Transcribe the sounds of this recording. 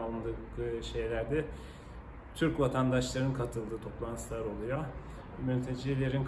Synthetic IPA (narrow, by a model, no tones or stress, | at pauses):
alˠɯnd̪ɯʃe̞jlʲæɾd̪ɛ | t̪ʰyɾcvat̪ʰand̪aʃlˠaɾɯnkʰat̪ʰɯlˠd̪ɯːt̪ʰo̞plˠant̪ʰɯ̥slˠaɾo̞lˠujo | mynt̪ʰed͡ʒelʲeɾink